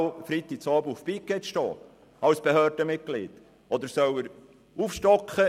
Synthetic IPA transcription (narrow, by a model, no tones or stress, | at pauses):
fɾit̪i̥sɑːbəufpikːɛtʃtɔ̰ː | ɑwsb̥ehøːrd̥əmɪt̚ɡ̥lḭt̪ | ʔɔd̪əɾsœwəɾ | ufʃtɔkχə